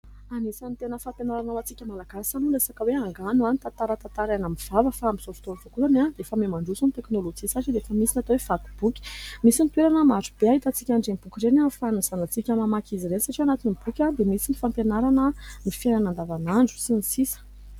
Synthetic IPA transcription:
anisanit̪enəfampjenaɾanawat͡sikʲəmalaɡ̥asanulesakəweaŋɡanuanit̪at̪aɾat̪at̪aɾanamiv̥avəfaamiz̥ofi̥t̪oɾuv̥okuanad̪efəmemaɳɖ͡ʐusunt̪eknolod͡ʒisaʈ͡ʂid̪eefəmisinat̪owev̥at̪u̥b̥ukʲi̥misinit̪weɾanəmaɾub̥eaɦit̪at͡sikʲaɳɖ͡ʐemib̥ukʲiɾenafanuz̥anat͡sikʲamamakiziɾensaʈ͡ʂianat̪inib̥ukʲad̪emisinifampjenaɾanəmifenanand̪avanaɳɖ͡ʐu̥sinisisə̥

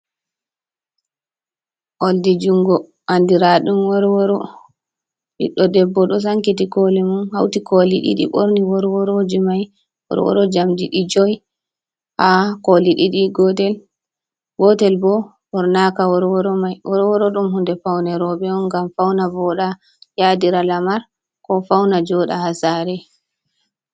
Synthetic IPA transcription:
ʔoldid͡ʒuŋɡɔ | ʔandiɾaɗumwɔɾwɔɾɔ | ɗḭɗɔdɛbːɔɗɔs̬aŋkitikolɛmunhawtikʰoliɗḭɗḭɓoɾniwɔɾwɔɾod͡ʒimaj | wɔ̰ɾwɔ̰ɾɔd͡ʒamdiɗid͡ʒɔj | hakoliɗiɗiɡɔtɛl | ɡɔtɛlbɔ | hɔɾnakawɔɾwɔɾɔmajʔɔɾwɔɾɔɗumhundɛfawnɛɾɔɓɛɔnɡamfawnavɔɗa | jadiɾalamaɾ | kɔfawnad͡ʒɔɗa̰hasaɾɛ

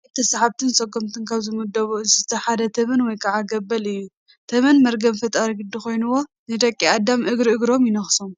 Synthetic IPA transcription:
t̪ʰɐsaħat̪ʰɨnsʼɐɡomt̪ʰɨnkʰaβzɨmud̪ɐβuɨzɨzɨt̪ʰɐħad̪ɐt̪ʰɐβɐnwɔjkʰɐʕaɡɐbːɐlɨjːu | t̪ʰɐβɐnmɐɾɡɐmfɐt̪ʼaɾiɡɨd̪ːixo̞jnuwo̞ | nɨd̪ɐkʼːiad̪ːamʔɨɡɾiʔɨɡɾo̞mjɪnɐxso̞m

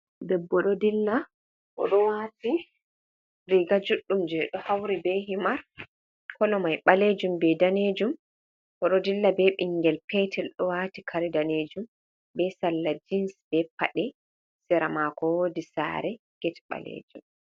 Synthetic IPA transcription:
dɛbːɔɗɔdilːa | ʔɔ̰ɗɔwaːti | ɾiɡad͡ʒuɗːumd͡ʒɛɗɔhawɾibɛɦimaɾ | kɔlɔmajɓaled͡ʒumbɛdaned͡ʒum | ʔɔɗɔdilːabɛɓiŋɡɛlpɛtʰɛlɗɔwaːtikʰaɾidaneːd͡ʒum | bɛsalːad͡ʒinsbɛpa̰ɗɛ | sɛɾamakɔwodisa̰ːɾɛ | ɡ̥ɛtɛɓa̰lḛːd͡ʒum

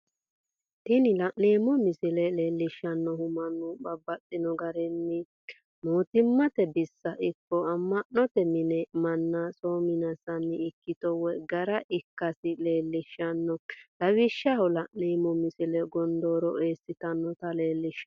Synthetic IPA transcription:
t̪ɪnɪlɐʔneːmɔmɪsɪlɛleːlːɪʃːɐnːɔɦʊmɐnːʊbɐbːɐt͡sʼːɪnɔɡɐɾɛnːɪ | moːt̪ɪmːɐt̪ɛbɪsːɐʔɪkːɔɐmːɐʔnɔt̪ɛmɪnɛmɐnːɐsʼoːmɪnɐsɐnːɪːkːɪt̪ɔwɛɡɐɾɐʔɪkːɐsɪle̞ːlːɪʃːɐnːɔlɐwɪʃːɐhɔlɐʔneːmɔmɪsɪlɛɡɔnd̪oːɾɔʔeːsːɪt̪ɐnːɔt̪ɐleːlːɪʃ

